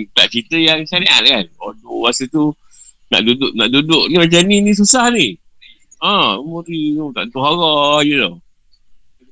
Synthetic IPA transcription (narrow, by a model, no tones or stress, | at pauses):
t̪aʔ̚t͡ʃit̪əjaŋsaniʔa̰t̚kanodowasət̪u | na̰ʔdudʊʔnaʔdudʊʔ̚nimat͡ʃamninis̬usahni | ãmoɾint̪a̰ʔnt̪ohɦaɣɔjuno